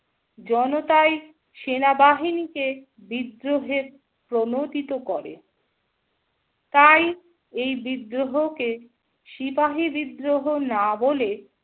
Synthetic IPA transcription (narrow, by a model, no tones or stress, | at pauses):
d͡ʑɔnot̪ae | ʃenabaɦinike | bid̪ɾoɦeɾ | pɾonot̪it̪okɔɾḛ | t̪aj | ejbid̪ɾoɦoke | ʃifaɦibid̪ɾoɦonabole